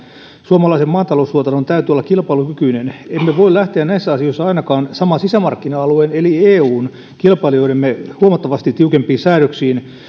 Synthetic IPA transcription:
suoɑmɑlɑisemɑːnt̪ɑlousluot̪ɑnont̪æyt̪yolːɑkilpɑilukykyinenemːeʋoillæht̪eænnæisːæɑsioisːɑɑinɑkɑːnsɑmɑsisæmɑrkːinɑɑluenelieːuːn | kilpɑilioiɾemːehuɑmɑt̪ːɑʋɑst̪it̪iukempˑiːnsæːɾøksiːn

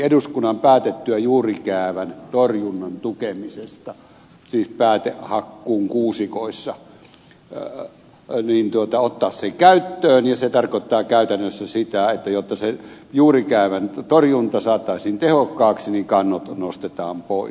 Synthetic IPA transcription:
eduskunːɑmpæːt̪et̪ːyæjuːrikæˑːʋænt̪orjunːɑnt̪ukemisest̪ɑ | siːspæːt̪eʔhɑkːuːŋkuːsikoˑisːɑ | niːnt̪uot̪ɑot̪ːɑːssekæyt̪ːøːnjɑset̪ɑrkot̪ːɑːkæˑyt̪ænːøsːæsit̪æet̪ːæjot̪ːɑse | juːrikæˑeʋænt̪orjunt̪ɑsɑːt̪ːˑɑˑisiːnt̪ehokːˑɑːksinikɑnːot̪nost̪et̪ɑːmpoˑis

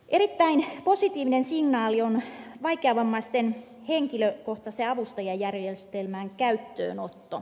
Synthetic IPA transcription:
ʔeɾit̪ːæinposit̪iːʋinensiŋnɑːlionʋɑikeɑʋɑmːɑist̪en | heŋkiløkoht̪ɑseɑʋust̪ɑjɑjærjest̪elmæːŋkæyt̪ːø̰ːnot̪ːo

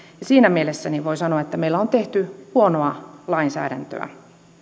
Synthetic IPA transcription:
jɑsiːnæmielesːæniʋo̞isɑnoɑet̪ːæmeilːæont̪eht̪yhuonoɑlɑinsæ̰ːɾæ̰nt̪ø̰æ̰

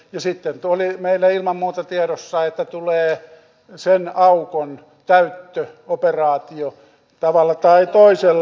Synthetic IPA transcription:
jɑsit̪ːent̪olimeilːæilmɑmmuːt̪ɑt̪ieɾosːɑet̪ːæt̪uleː | senɑukon | t̪æyt̪ːøoperɑːt̪io | t̪ɑʋɑlːɑt̪ɑit̪oiselː

